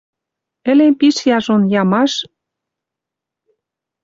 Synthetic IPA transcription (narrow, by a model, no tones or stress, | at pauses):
ɘ̆lempiʃjɑʒonjɑmɑʃ